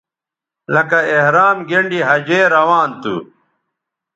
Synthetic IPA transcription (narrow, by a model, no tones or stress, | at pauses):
lɐkɐehɾaːmɡeɳɖiɦɐd͡ʑeːɾɐwaːnt̪ṵ